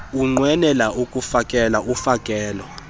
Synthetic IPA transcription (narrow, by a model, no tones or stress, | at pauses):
uŋ͡ǀwɛnɛlaʔukʼufakʼɛlaʔufakʼɛːlwa